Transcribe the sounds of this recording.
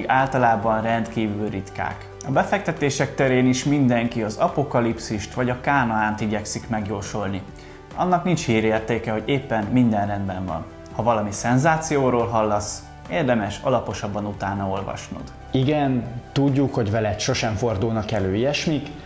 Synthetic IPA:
ɡaːlt̪ɒlaːbɒnrɛnt̪kiːvylrit̪ka̰ːk | ɒbɛfɛk̚t̪ɛt̪eːʃɛk̚t̪ɛɾeːniʃmind̪ɛŋkiɒzɒpo̞kɒlipsiʃt̪ʋɒɟɒkaːnɒaːnt̪iɟɛksikmɛɡjoːrʃo̞lni | ɒ̰nːɒknint͡ʃhiːɾeːrt̪eːkɛɦo̞ɟeːpːɛnmind̪ɛnrɛnd̪bɛɱvɒ̰n | hɒvɒlɒmisɛnzaːt̪sijoːɾoːlɦɒlːɒs | eːrd̪ɛmɛʃɒ̰lɒpo̞ʃɒbːɒnut̪aːnɒo̞lvɒ̰ʃnṵd̪̥ | iɡɛnt̪uɟːukho̞ɟvɛlɛt̪ʃo̞ʃɛɱfo̞rd̪ulnɒkɛløːiɛʃmik

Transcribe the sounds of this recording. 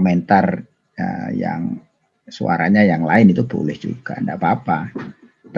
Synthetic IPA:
mɛnt̪ar | əja̰ŋ | sua̰ɾaɲajaŋlaɪnit̪ub̥o̰lɛhd͡ʒuɡ̥andapaːpa | t̪

